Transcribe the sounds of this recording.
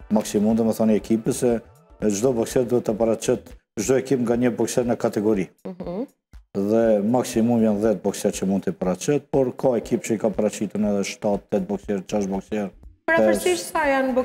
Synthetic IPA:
maksimumd̪əməθɔniɛkipəsɛ | d͡ʒd̪ɔbɔksɛɾd̪uɛt̪ːəpaɾat͡ʃɛt̪ | d͡ʒd̪ɔɛkipŋɡaɲəbɔksɛɾnəkat̪ɛɡɔɾi | ðɛmaksimumjanðɛt̪̚bɔksjɛɾt͡ʃəmund̪t̪ipaɾat͡ʃɛt̪̚pɔɾkʰaɛkipt͡ʃəikapəɾat͡ɕit̪uɾnɛðɛʃt̪at̪ːɛt̪̚bɔksjɛɾt͡ʃaʃbɔksɛɾpəɾafəɾsiʃsajanbɔ

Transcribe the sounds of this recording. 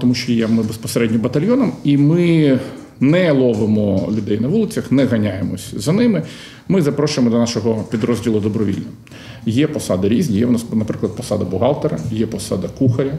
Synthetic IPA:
t̪ɔmuʃt͡ʃɔjɛmɪbespɔseɾɛdʲnʲɔbɐt̪ɐlʲjɔnɐmimɪ | nɛlˠɔʋɪmɔlʲʊd̪ɛjnɐʋulˠɪt͡sʲɐxnɛɣɐnʲajemɔsʲzɐnɪmɪ | mɪzɐpɾɔʃʊjemɔd̪ɔnɑʃɔɦɔpʲid̪ɾɔzʲdʲilˠʊd̪ɔbɾɔʋʲḭlʲnɐ | jɛpɔsɑd̪ɪɾʲizʲnʲijɛʊnɑsnɐpɾɪklˠɐd̪̚pɔsɑd̪ɐbʊɦɑlˠt̪eɾɐjɛpɔsɑ̰d̪ɐkuxɐɾʲɐ

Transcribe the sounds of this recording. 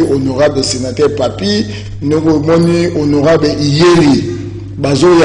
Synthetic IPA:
ʔonoʁabesenatɛpapi | nokoemɔnionoʁabeʔijeli | bazoja

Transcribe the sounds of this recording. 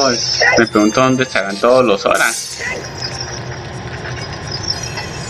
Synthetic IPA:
oesmepɾeɣũnt̪ond̪et͡ʃaɾant̪ooloso̰ɾas

